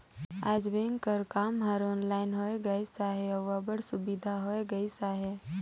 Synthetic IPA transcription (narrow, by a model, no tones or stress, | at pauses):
aːd͡ʒbẽːŋkəɾkaːmɦəɾoːnlaːɪnɦoeɡɐisaɦeɔʋabəɽsʊbid̪ʱaɦoːeɡɐisaɦe